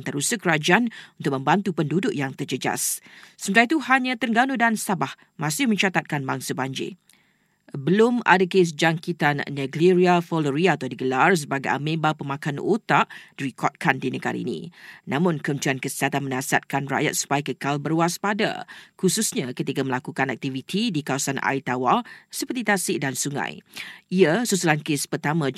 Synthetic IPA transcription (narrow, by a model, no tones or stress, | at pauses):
nt̪əɾusəkːəɾad͡ʒaanunt̪ʊkʔ̚mə̃mbant̪upəndudʊʔjaŋt̪ərd͡ʒəd͡ʒa̰ssəmət̪ait̪uhaɲãt̪ərɡanodansabah | mãsɪhmə̃ɲt͡ʃat̪at̪̚kanbaŋsabaɲd͡ʒḛ | bəlʊma̰dakes̬d͡ʒaŋkit̪anːaɡliɾiafɔləɾiaːt̪awdiɡəlars̬əbaɡajʔa̰mẽbapəmãkanot̪aʔdiɾikʰɔt̪̚kʰandinəɡa̰ɾa̰ḭnḭ̃nʔãmʊ̃nkəunt͡ʃuankəsiɦat̪anmə̃nasia̰t̪̚kanra̰ʔja̰t̪̚su̥pajkəkalbərwaspada̰kususɲakət̪ikaməlakukanak̚t̪ivit̪ʰidikawasanʔa̰it̪awalsəpərt̪it̪asɪʔdansuŋã̰jiəsusulankespərt̪amã